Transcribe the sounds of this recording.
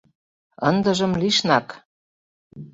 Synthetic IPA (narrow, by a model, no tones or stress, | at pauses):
ɤnd̪ɤ̆ʒɤ̆mliʃnɑk